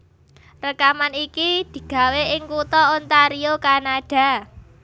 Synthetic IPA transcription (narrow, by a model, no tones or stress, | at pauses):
rəkamanikid̪̥i̤ɡ̥a̤weɪŋkut̪ɔont̪aɾiokanaɖ̥a̤